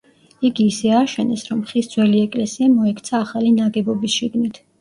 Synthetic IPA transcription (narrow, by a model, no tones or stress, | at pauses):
iɡiːsɛaʃɛnɛsɾɔmχisd̪z̥wɛliɛkʼlɛsiamɔɛkʰt̪sʰaːχalinaɡɛbɔbisʃiɡnit̪ʰ